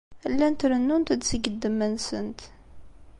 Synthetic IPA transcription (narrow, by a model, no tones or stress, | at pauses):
əlːænt̪ɾənːunt̪əd̪səɡəd̪ːəmːənsənt̪